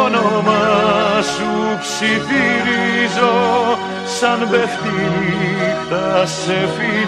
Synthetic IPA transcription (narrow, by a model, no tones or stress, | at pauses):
nomɐsupsiθiɾizo | sɐnbeft̪imiθɐsefi